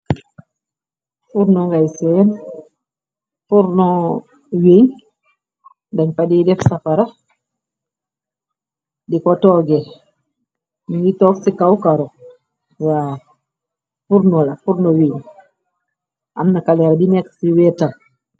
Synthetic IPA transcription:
fuɾnɔŋɡajsɛn | fuɾnɔ | weɲ | daɲpadidɛfsafaɾa | dikɔtɔɡe | niwitɔːksikawkaɾo | wa | fuɾnɔlafuɾnɔweɲ | ʔamnakalɛɾadinɛksiwɛtaŋ

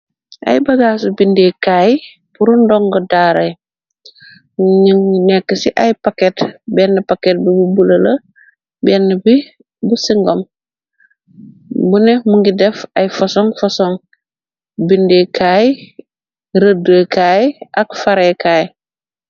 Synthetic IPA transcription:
ʔa̰jbɐɡaːsubindekaːj | puɾundɔŋɡɐdaːɾe | ŋnɛkːəsiʔajpakɛtbɛnːɐpakɛt̚bibubulɐlɐ | bɛnːbi | busiŋɡɔm | bunɛmuŋɡidɛfajfɔsɔŋfɔsɔŋ | bindekʰaj | ɾədəːkʰaːjʔakfaɾekʰaːj

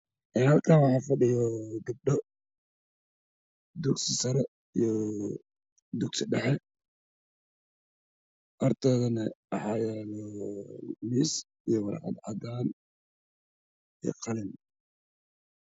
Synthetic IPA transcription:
ʔɪnhɐlkʰaːnwɑħɑːfɐɖɪjɔɡɐb̚ɖɔ | d̪uɡsɪsɐɾɛ | ijɔ | d̪uɡsɪɖɛħɛ | ʔɐrt̪ʰɛːðɐnɐʔɑħɑjɛlɔ | miːs | ijɔwɑɾ̰ʕɑ̰d̪ʕɑ̰d̪aːn | ij̰qʰɑlɪn

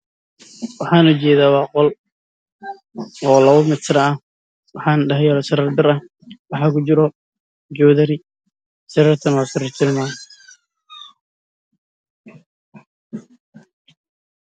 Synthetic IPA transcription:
wɑħɑːnʊt͡ʃɛːðaːwɑːqɔl | ɔːlɐwʊmɪt͡sɾɐɐ | wɑħɑːnɖɐɦɛjalɐsɐɾɐrd̪ɪɾɐ | wɑħaːkʰʊt͡ʃɪɾɔ | d͡ʒɔːðɐɾɪ | sɐɾɐrt̪ʰɐnaːsɐɾɐrt͡ʃɪlmaːn

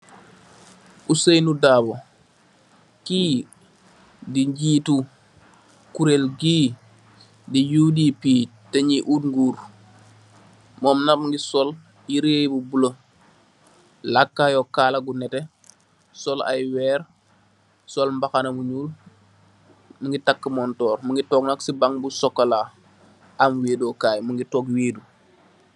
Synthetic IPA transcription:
ʔusejnudaːbo | kiː | diɲɟiːtu | kuɾelɡi | dijuːdipiː | teɲiʔutŋɡuːɾ | mɔːmnabŋɡisɔl | iɾejbubulo | lakːajɔkaːlɐɡunɛte | sɔla̰jwɛːɾ | sɔlmbaxanɐmuɲuːl | muŋɡitakːəmɔntɔːɾmuŋɡitɔːknaksibaŋbusɔkːala | amweːdɔːkaːjmuŋɡitɔːkweːdu

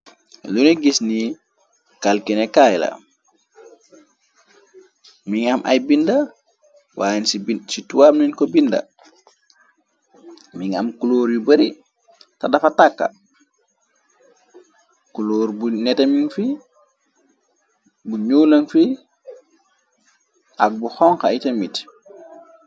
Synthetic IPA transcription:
luniɡisni | kalkinɛkajla̰ | miŋamʔa̰jbinda | wʔa̰insbsituwamninkɔbinda̰ | miŋa̰mkuloːɾjubəɾi | tadɐfatakːa̰ | kuloːɾbunɛteminfi | buɲuːlɐnfi | ʔak̚buxɔŋxaitemit

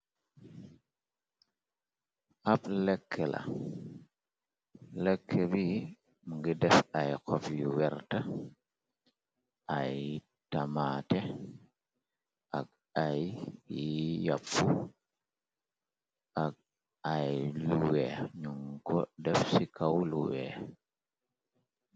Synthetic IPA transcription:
aplekʰːelʔa̰ | lekʰːebi | mŋɡidɛfajkɔfjiwɛɾta | aj | tamate | ʔak̚ | aj | ja̰pːu | ʔak̚ | ajluweɲuŋkɔdɛfsikawluwḛ

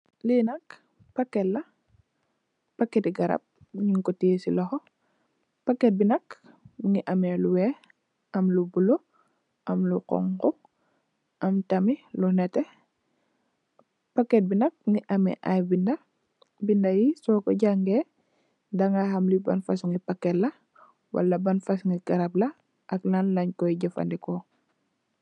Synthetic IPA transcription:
linɐk | pakːɛlːɐ | pakːɛtiɡɐɾa̰p̚ | ɲiŋkɔtisḭlɔxɔ | pɐkːɛt̚binɐk | ŋiʔɐmɛluwɛ | ɐmlubulo | ʔɐmluqɔ̰ŋkɔ | ʔɐmtɐmilunɛtɛ | pakːɛt̚binɐk̚ŋiʔɐmɛ̰ʔajbindɐ | bindɐjisɔːkɔɟaŋɡɛ | daŋahɐmlibɐ̰nfasuŋipakːɛtlɐ | wɐ̰lːɐbɐnfɐsuŋiɡɐɾablɐ | ʔɐklanlɐɲkɔjɟɐfa̰ndɛkɔ

